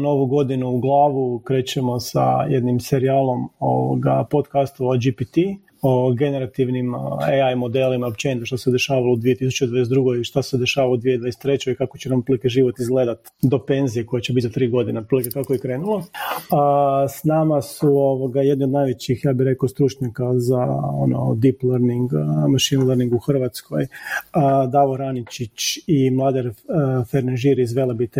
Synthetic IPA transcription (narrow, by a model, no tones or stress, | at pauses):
noʋuɡo̞d̪inuːɡlˠaːʋukɾe̞ːt͡ɕe̞mo̞sa̰jed̪nimse̞ɾiaːlˠo̞mo̰ʋo̰ɡa̰po̞t̪kast̪oʋad͡ʒipit̪i | ooɡe̞ne̞ɾat̪iʋnimeajmo̞d̪eːlimaopt͡ɕenit̪oʃt̪ased̪e̞ʃaːʋaloud̪ʋije̞t̪isu̥t͡ɕed̪ʋajes̬ɾuːɡojʃt̪ase̞d̪e̞ʃaːʋalod̪ʋied̪ʋajest̪ɾe̞t͡ɕoikakot͡ɕenampɾilikeʒiʋo̞t̪izɡle̞d̪at̪ | d̪o̞pe̞nzijeko̞jat͡ɕebit̪zat̪ɾiːɡo̞d̪inepɾilikek̪akojikɾeːnulˠoəsnamasuoʋoɡajed̪niod̪najʋet͡ɕixjaːbiɾe̞kaost̪ɾuːt͡ʃɲakazaono̰d̪iplˠəɾniŋɡmaʃinləɾniŋɡuxr̩ʋat̪skʰo̞jəd̪aʋoɾanit͡ɕit͡ɕimlˠaːd̪eɾfeɾneʒiɾizʋelebit̪e